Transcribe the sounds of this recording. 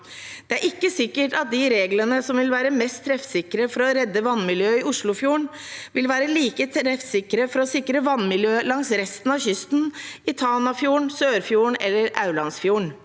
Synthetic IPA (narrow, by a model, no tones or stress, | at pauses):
d̪̥ɛæɾʔɪkːəsɪkːəʈɑt̪̚d̪ɪɾeːɡlənəsɔmʋɪlʋæːɾəmɛst̪ʰːɾɛfsɪkɾəfɔɾɔɾɛd̪ːəʋɑnːmɪljøːɪʊʂɭʊfjuːɳʋɪlʋæːɾəliːkət̪ʰɾɛfsɪkɾəfɔɾɔsɪkɾəʋɑnːmɪljøːlɑŋsɾɛst̪n̩ɑçʏst̪n̩ɪt̪ʰɑːnɑfjuːɳsøːɾfjuːɳɛlːəɾɑ̰ʉlɑnsfjuːɳ